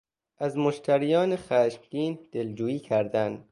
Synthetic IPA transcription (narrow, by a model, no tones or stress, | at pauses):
ʔæzmoʃt̪ʰæɾijɒːneχæːʃmɡiːnd̪̥e̞ld͡ʒuːjiːcʰæɾd̪ænd̪